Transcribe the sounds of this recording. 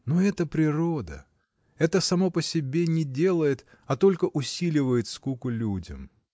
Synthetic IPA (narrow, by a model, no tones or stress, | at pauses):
noɛt̪əpɾʲɪɾod̪ə̰ | ɛt̪əsɐmo̞pəsʲɪbʲe̞nʲɪdʲe̞lˠəjɪt̪ | ɐt̪o̞lʲkəʔʊsʲilʲɪvəjɪt̪skukʊlʲudʲə̰m